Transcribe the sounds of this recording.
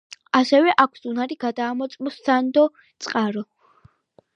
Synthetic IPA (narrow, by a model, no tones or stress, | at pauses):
asɛvɛʔakʷʰsunaɾiɡad̪aːmɔt̪sʼmɔsːand̪ɔ | t̪sʼqʼaɾɔ